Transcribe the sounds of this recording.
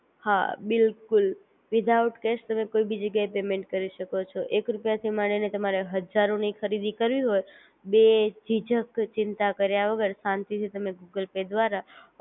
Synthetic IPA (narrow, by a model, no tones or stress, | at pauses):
ha̰bɪlkʊl | ʋɪd̪ʱauʈkɛʃt̪əmekoibid͡ʒəɡjaepemẽɳʈ̚kəɾiʃəkot͡ʃʰoʔekɾupjat̪ʰimaɽ̃inet̪əmaɾeɦəd͡ʒaɾõnikʰəɾid̪ikəɾʋiɦoj | bed͡ʒid͡ʒəkt͡ʃɪnt̪akəɾjaʋəɡəɾsãnt̪it̪ʰit̪əmeɡuɡəlped̪ʋaɾa